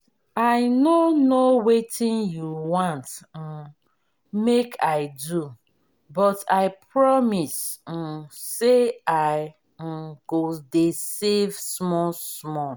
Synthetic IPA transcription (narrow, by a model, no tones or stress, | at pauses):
aɪnonowetʰĩnjuwãnt̩ | mekʰaɪdu | bɔtaɪpɹɔmis̩ | seaɪ | ɡ̥odesevsmɔsmɔ